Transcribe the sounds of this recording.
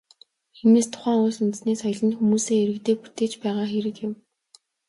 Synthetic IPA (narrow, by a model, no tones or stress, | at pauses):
xemeːst̪ʰʊ̥χæːŋʊːsunt̪sneːsɔj̆ɮə̆nxumuːseːeɾɘ̆kt̪eːput̪eːt͡ɕpæːʁaːxeɾɘ̆kjɪ̆m